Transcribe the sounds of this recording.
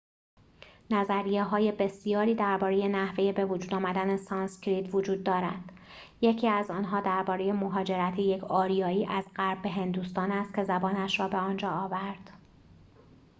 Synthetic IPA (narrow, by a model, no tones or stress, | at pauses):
næzæɾijeɦɒːje̞be̞sijɒːɾiːd̪æɾbɒːɾe̞je̞næhve̞je̞be̞vod͡ʒuːd̪ɒːmæd̪ænesɒːnskʲɾiːt̪ʰvod͡ʒuːd̪ːɒːɾæd̪̥ | je̞cʰiːæzɒːnɦɒːd̪æɾbɒːɾe̞je̞moɦɒːd͡ʒe̞ɾæt̪ʰeje̞cʰɒːɾijɒːiːʔæzɢæɾbːe̞ɦe̞nd̪uːst̪ɒːnæst̪̚cʰe̞zæbɒːnæʃɾɒːbe̞ɒːnd͡ʒɒːvæɾd̪̥